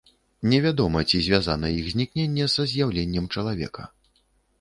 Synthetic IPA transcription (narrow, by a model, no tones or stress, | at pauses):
nʲɛvʲad̪ɔmɐt͡sʲizʲvʲazanɐjiɣzʲnʲiknʲenʲːɛzɐzʲjawlʲenʲːɛmt͡ʂɐlˠavʲɛ̰kɐ̰